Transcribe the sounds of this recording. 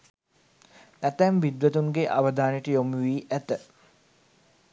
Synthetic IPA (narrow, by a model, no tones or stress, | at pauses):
æt̪æmʋid̪ʋət̪uŋɡeʔaʋəd̪aːneʈəjomuʋiːʔæt̪ə